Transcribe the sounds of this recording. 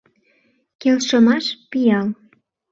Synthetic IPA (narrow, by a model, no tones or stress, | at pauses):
kelʃɤ̆mɑʃpijɑl